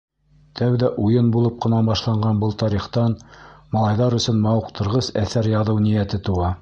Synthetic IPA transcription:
t̪ʰæwðæʔujɤnbulˠɤp̚qɤ̆nɑbɑʃlˠɑɴɢɑnbɤlˠt̪ɑɾiχt̪ɑnmɑ̆lˠɑjðɑɾɵ̆sɵnmɑwɤqt̪ʰɤ̆ɾʁɤsæθæɾjɑðɤwnijæt̪ɘt̪uɑ

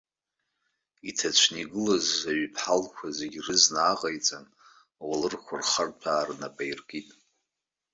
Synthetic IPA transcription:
itʰat͡ʃʷʰniɡɨlazaɥpʰħalkʷʰazeɡʲrɨznaːqʼajt͡sʼan | walɨrkʷʰʊrχartʰaːrnabʼajrɡʼitʼ

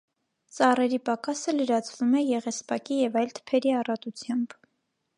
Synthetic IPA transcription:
t͡sɑrɛɾipɑkɑsələɾɑt͡sʰvumɛjɛʁɛspɑkijɛvɑjlt̪ʰə̥pʰɛɾiɑrɑt̪ut͡sʰjɑmb

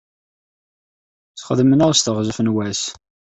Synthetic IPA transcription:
θχəðmənæʁst̪əʁzəfənwæs

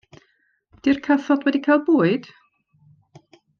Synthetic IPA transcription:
d̥irkʰəθɔdwɛdikʰajl̚ˠbuːɨd̥

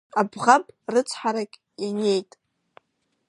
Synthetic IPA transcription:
abʁapʼrɨt͡sʷʰħaɾakʲʼ | janejtʼ

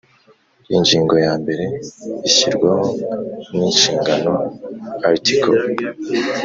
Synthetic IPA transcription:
iɲd͡ʒiːŋɡo̞jaːmbe̞ɾe̞içiɾɡwaɦoniːnʃiːŋɡano̞aɾtikʰo

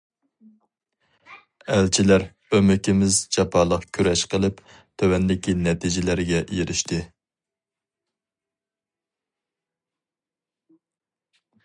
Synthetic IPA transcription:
ælt͡ʃʰilæɾ | ømɪkʲɪmɪzd͡ʒɑpʰɑːlˠəqkʲʰøɾɛʃqʰəlˠɨp | t̪ʰøwɛnd̪ɪkʲʰinɛt̪ʰid͡ʒɪlæɾɡʲɛʔjeɾʔɪʃt̪ʰɨ

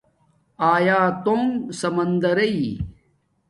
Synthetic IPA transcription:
aːjaːt̪oːŋsɐmɐnd̪ɐɾɐi

